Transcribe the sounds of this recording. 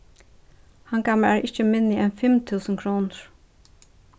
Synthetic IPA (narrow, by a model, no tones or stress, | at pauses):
hɑŋɡɑməlæːɹʔɪçəmɪnːɪʔɛnfɛmt̪ʰʉːsən̩kʰɾuːnəɹ̥